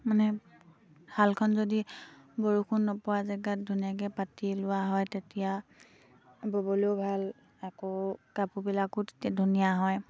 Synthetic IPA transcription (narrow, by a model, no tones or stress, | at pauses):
manɛ | b̥ʱalkʰɔnzodiboɹukʰunːɔpɔwazɛɡat̚dʱunijak̬ɛpatilʊwaɦɔjtetija | bobolebʱal | akokapubilakuttdʱunijaɦɔj